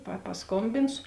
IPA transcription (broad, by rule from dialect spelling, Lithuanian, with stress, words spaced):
pɐ pɐsˈkoːmʲbʲɪnsʊ